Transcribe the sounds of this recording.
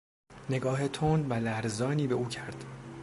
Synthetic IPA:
ne̞ɡɒːɦe̞t̪ʰond̪vælæɾzɒːniːbe̞ʔuːcʰæɾd̪̥

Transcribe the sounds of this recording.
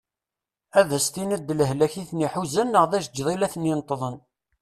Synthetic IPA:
æðæst̪inəd̪ːləɦlæçiθniħuzænːəʁðæʃd͡ʒðˤilæθninət̪ˤːðˤən

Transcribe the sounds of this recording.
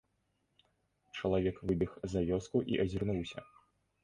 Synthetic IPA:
t͡ʂɐlˠavʲɛkvɨbʲixzavʲɔskuʔḭʔɐzʲirnuwsʲɐ̰

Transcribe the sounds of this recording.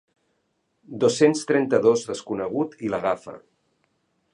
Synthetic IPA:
d̪osenst̪ɾɛnt̪əðozðəskunəɣ̞ut̪iləɣafə̰

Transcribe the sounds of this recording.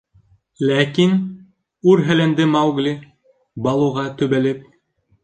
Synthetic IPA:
lækin | uɾɦælænd̪ɘmɑwɡlʲi | bɑlˠŭʁɑt̪ɵ̆βælɘp̚

